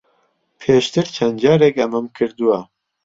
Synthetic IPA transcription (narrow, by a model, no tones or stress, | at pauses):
pʰeːʃt̪ɨɾt͡ʃʰɐnd͡ʒɑːɾekɐmɐmkʰɨɾd̪uwa